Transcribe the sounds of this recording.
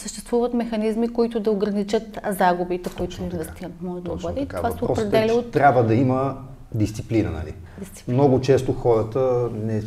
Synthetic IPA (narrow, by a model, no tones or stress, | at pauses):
səʃt̪ɛst̪vuvət̪mɛxɐnizmikoit̪ʊd̪ɐoɡɾɐnit͡ʃət̪zaɡubit̪ɛkoit̪ʊinvɛst̪iɾɐmɔʒɛd̪ɐbəd̪ɛit̪ovasɛoɔpɾɾd̪ɛliot̪ɾʲabvəd̪ɐimə | d̪ist̪siplinə̰nɐ̰lḭ | d̪ist̪si̥mmnɔɡʊt͡ʃɛst̪ʊxɔɾət̪ənɛ